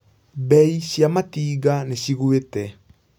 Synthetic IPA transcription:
bɛiɕjamatiːɣaneɕiɣwetɛ

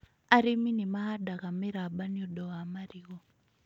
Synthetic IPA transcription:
aɾiminimaɦadaɣamiɾaɓaniɔdɔɣamaɾiɣɔ

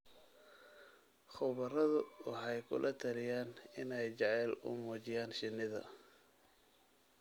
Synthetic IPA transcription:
χʊwβɐrɐðʊwɑħɑjkʰʊ̰lʔɐt̪ʰɐlɪjaːnɪnɛjt͡ʃɑʕɛːlʊ̰mɔːt͡ʃɪjaːnʃɪnːɪðɐ̰

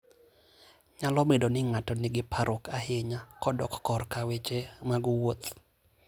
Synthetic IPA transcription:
ɲalɔmedonɪŋatɔnɪɡɪpʰaɾʔɔkaɦeɲakɔdɔ̰kkɔrkawet͡ʃemaɡwot̪

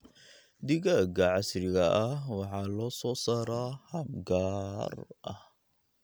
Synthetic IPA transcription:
d̪ɪɣaɡɐʕɑsɾɪɣɐʔɐhwɑħɑlɔːsɔːsaːɾahɐmɡaːrʔɐ̰h

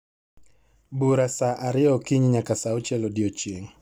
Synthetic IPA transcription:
buɾasaʔaɾiɔkiɲiɲakasaut͡ʃɛlɔdiɔt͡ʃiŋ

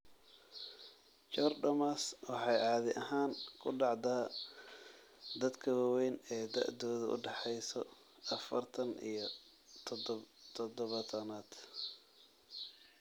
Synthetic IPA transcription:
t͡ʃɔrɖɐmaswɑħɑjɑːðɪʔɐɦaːnkʰʊɖɑʕd̪aː | d̪ɐd̪kʰɐwɑwɛjnɛːd̪ɐ̰ʔd̪ɔːðɐʊ̰ɖɛħɛjsɔ | ɐfɐrt̪ʰɐnḭjɞ | t̪ʰt̪ʰɔd̪ɔβɐt̪ʰɐnaːd̪̥

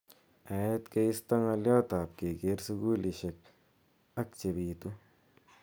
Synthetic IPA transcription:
ajet̪keist̪ɐŋɐljɔːt̪aːp̚keɡeɾsuɡuːliʃek̚ | ɐk̚t͡ʃebiːt̪u

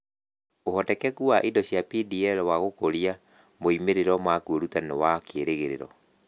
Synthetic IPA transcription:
ohɔtɛkɛkuaʔidɔɕjapidiɛɾɛwaɣokoɾia | moimeɾeɾɔmakuoɾutanewakʰeeɾeɣeɾḛɾɔ̰

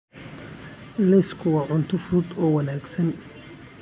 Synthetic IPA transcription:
lɛskʰʊwɑːʕʊnt̪ʰʊfʊðʊd̪ɔːwɑnaːɡsɐn

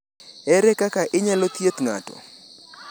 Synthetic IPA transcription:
ɛɾɛkakaʔɪɲalot̪jet̪ŋa̰tɔ̰

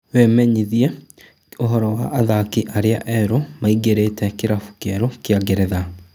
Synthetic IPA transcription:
wemɛɲiðjɛ | oɦɔɾɔwaʔːðakiʔaɾea̰ʔɛɾomaiɡeɾetɛkeɾafu̥kjɛɾokeaɡeɾɛða

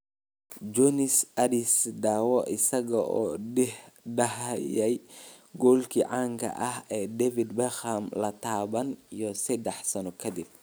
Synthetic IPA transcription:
d͡ʒɔnɪsʔɐdɪsd̪aːwɔʔɪsɐɣɐʔɔːɖɛh | ɖɐɦjɛj | ɡɔːlkʰiːʕɑːŋkʰɐ̰ʔɐhɛːd̪ɛvɪd̪bɛxɐmlɐt̪ʰaːβɐnijɔsɐd̪ɛħsɐnɔkʰɐd̪ɪb̚

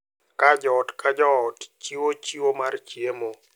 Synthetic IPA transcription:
kad͡ʒɔtkad͡ʒɔtt͡ʃiwot͡ʃiwomart͡ʃjemo

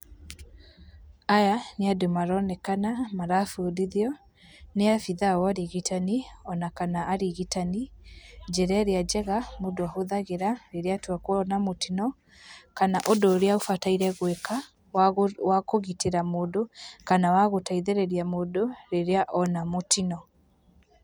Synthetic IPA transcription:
ajaneademaɾɔnɛkanamaɾafuodiðiɔ | neafiðawaɾiɣitʰaniɔnakanaaɾiɣitanid͡ʒɛɾɛɾead͡ʒɛɣamodoahoðaɣeɾaɾeɾeatwakwɔnamotinɔ | kanaʔodoːɾeaofataiɾɛɣweka | wwakoɣiteɾamodokanawaɣotaiðeɾeɾiamodoɾeɾeaʔɔnamotʰinɔ

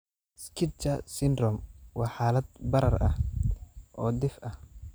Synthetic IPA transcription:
skʰɪt͡ʃɐsɪnrɔmwɑːħaːlɐd̪̚bɐɾɐrɐh | ʔɔːd̪ɪfʔɐh

